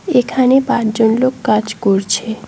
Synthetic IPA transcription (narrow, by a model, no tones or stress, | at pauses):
ekʰanepãt͡ʃd͡ʒonlokːat͡ʃkɔɾt͡ʃʰe